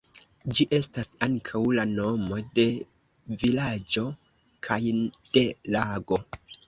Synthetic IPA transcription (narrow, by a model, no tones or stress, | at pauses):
d͡ʒiʔe̞stasaŋkʰawlano̞mo̞de̞ | vilad͡ʒo̞ | kʰajd̥e̞laɡo̞